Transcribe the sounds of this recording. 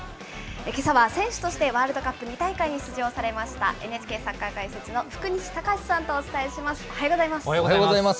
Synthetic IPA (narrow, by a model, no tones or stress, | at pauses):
ekesaβasẽ̞ɰ̃ɕɨ̥t̪o̞ɕi̥t̪e̞βaːɾɯ̟d̪o̞kapːɯ̟ɲ̟it̪aikaiɲ̟iɕɨʑo̞ːsaɾe̞maɕi̥t̪a̰ʔe̞net͡ɕi̥ke̞ːsakːakaise̞t͡sɨno̞ɸɯ̟̥kɯ̟ɲ̟iɕi̥t̪akaɕi̥sãnt̪o̞ːt͡sɨ̥t̪aeɕimasɨ̥aoɡozaimasɡozaimas